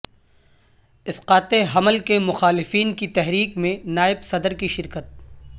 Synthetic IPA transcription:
ɪsqaːt̪eɦɐməlkemʊxaːlɪfiːnkit̪ɛɦɾiːkmẽnaːɪbsɐd̪əɾkiʃɪɾkət̪̚

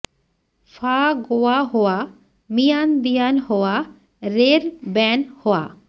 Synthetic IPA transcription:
faɡoaɦowa | mijand̪ijanhowa | ɾeɾbɛnhoa̰

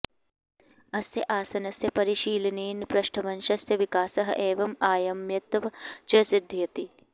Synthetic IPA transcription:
ɐsjɐʔaːsɐnɐsjɐpɐɾiʃiːlɐniːnpɾɐʃʈʰɐʋɐnʃɐsjɐʋikaːsɐɦɐ̰ʔeːʋɐmaːjɐmjɐt̪ʋɐt͡ʃɐsid̪ʱːijɐt̪i

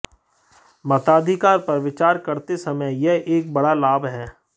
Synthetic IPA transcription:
mɐt̪aːd̪ʱikaːɾpɐɾʋɪt͡ʃaːɾkɐɾt̪esɐməjjeʔeːk̚bɐɽalaːbɦɛː

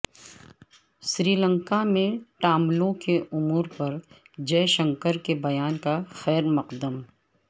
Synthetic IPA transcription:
ʃɾiːlə̃ŋkamẽʈaːmlõkeʔʊmuːɾpɐɾ | d͡ʒɛːʃə̃ŋkəɾkebɐjaːnkaxɛːɾmɐqd̪əm

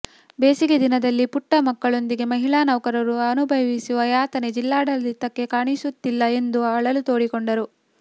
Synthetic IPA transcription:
be̞ːsiɡed̪inɐd̪ɐlːipuʈːɐmɐkːɐɭo̞nd̪iɡe̞mɐɦiɭaːnɐʋɐkɐɾɐɾuɐnubʱɐʋisuʋɐjaːt̪ɐned͡ʒilːaːɽɐld̪it̪ːɐkːe̞kaːɳisut̪ːilːɐe̞nd̪uɐɭɐlut̪o̞ːɽikoɳɖɐɾu

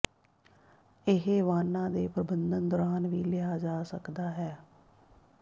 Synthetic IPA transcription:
ɪɦːʋaːnãːd̪eːpɾəbənd̪ənd̪ɔːɾaːnʋiːlɪaːd͡ʒaːsəkd̪aːɦɛː

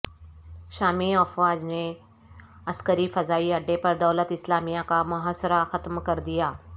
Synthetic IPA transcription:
ʃaːmiɐfʋaːd͡ʒne | ɐskəɾifɐzaːiɐɖːẽpɐɾd̪ɐlət̪ɪslaːmijakamʊɦaːsəɾaxɐt̪mkɐɾd̪ijaː

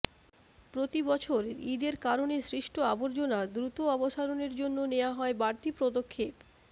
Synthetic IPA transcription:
pɾot̪ibɔt͡ɕʰoɾḭd̪eɾkaɾonesɾiʃʈʰoaboɾd͡ʑonad̪ɾut̪oɔboʃaɾoneɾd͡ʑonːoneoaɦɔebaɾt̪ipɾod̪okʰːep

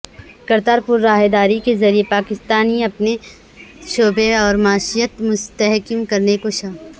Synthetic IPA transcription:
kɐɾt̪aːɾpʊɾːaːɦed̪aːɾikezɐɾiepaːkɪst̪aːniɐpne | ʃoːbẽɔːɾmaːʃijət̪mʊst̪əɦkimkɐɾnekoʃaː

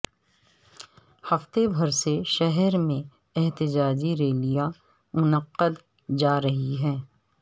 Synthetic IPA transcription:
hɐft̪ebʱɐɾseʃɛɦɛɾmẽ | ɛɦt̪ɪd͡ʒaːd͡ʒiɾeːlija | mʊnəqːəd̪ | d͡ʒaːɾɐɦiɦɛː

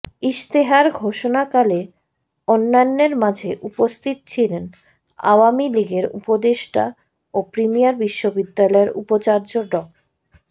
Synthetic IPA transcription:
iʃt̪eɦaɾɡʱoʃonakale | onːanːeɾmad͡ʑʱeʔupost̪ʰit̪t͡ɕʰilen | a̰oamiliɡeɾṵpod̪eʃʈa̰ | opɾimijaɾbiʃːobid̪ːalɔeɾṵpot͡ɕaɾd͡ʑoɖɔk̚

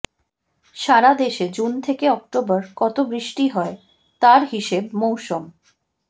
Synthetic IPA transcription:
ʃaɾad̪eʃed͡ʑunt̪ʰekeɔk̚ʈobəɾkɔt̪obɾiʃʈiɦɔe | t̪aɾɦiʃeb̚mowʃom

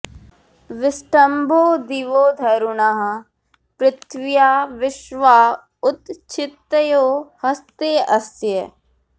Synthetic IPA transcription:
ʋɪsʈəmboːd̪iʋoːd̪ʱɐjɾunaːɦ | pɾɪt̪ʰʋɪjaːʋɪʃʋaː | ʊt̪t͡ʃʰɪt̪joːhɐst̪eːɐsjə

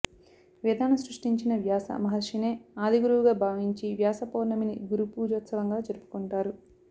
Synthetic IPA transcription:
ʋid̪ʱaːnɐsɾuʂʈiɲt͡ʃinɐʋjaːsɐ̰mɐɦɐʂineːaːd̪ʱiɡuɾuʋuɡaːbʱaːʋiɲt͡ʃiʋjaːsɐpoːɾɳɐminḭɡuɾupuːd͡ʒoːt̪sɐʋɐŋɡaːd͡ʒɐɾupu̥kuɳʈaːɾu

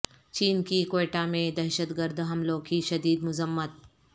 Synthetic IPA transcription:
t͡ʃiːnkikeːʈamẽd̪ɛːʃət̪ɡəɾd̪ɦɐmlõkiʃɐd̪iːd̪mʊzəmːət̪̚

